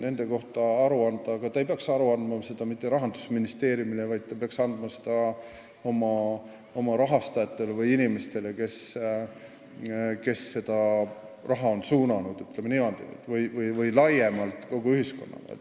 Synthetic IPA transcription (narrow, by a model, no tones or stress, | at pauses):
ne̞nd̪̥e̞ko̞ht̪ɑɑɾuɑnd̪ɑɡ̥ɑt̪ɑejpeɑksɑɾuɑnd̪mɑse̞d̪̥ɑmit̪ˑːe̞ɾɑɦɑnd̪u̥sminist̪e̞ːɾjumilevɑjd̪̚t̪ːɑpeɑksɑnd̪mɑse̥d̪̥ɑ | o̞mɑ | o̞mɑɾɑɦɑst̪ɑjɑt̪ːe̞levɯjinime̞st̪e̞le̞ke̞s | ke̞sːe̞d̪̥ɑrɑɦɑo̞nsuːnɑnud̪̥yt̪ːˑlemenimɑd̪̥ḭt̪vɯjvɯjvɯjlɑje̞mɑlt̪ˑko̞ɡ̥uyɦhisko̞nːɑ̰mḛl